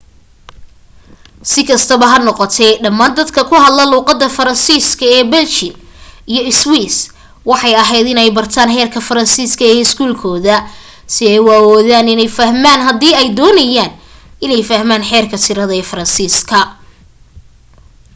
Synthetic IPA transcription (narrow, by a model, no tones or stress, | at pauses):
sɪkʰɐst̪ʰɐβɐɦɐnɔqɔt̪ʰɛɖɐmaːnd̪ɐd̪kʰɐkʰʊɦɐd̪lɐluːqɑd̪ːɐfɐɾɐnsiːskʰɐɛːbɛlt͡ʃɪnijɞɪswiːs | wɑħɑjɐɦɛjd̪ɪnɛjbɐrt̪ʰaːnħɛːrkʰɐfɐɾɐnsiːskʰɐɛɪskʰuːlkʰɔːðɐ | sɪɛjwaːwɔːðaːnɪnɛjfɐhmaːnɦɐd̪iːɛjd̪ɔːnɐjaːn | ɪnɛjfɐhmaːnħɛːrkʰɐt̪ʰɪɾɐðɐɛːfɐɾɐnsiːskʰɐ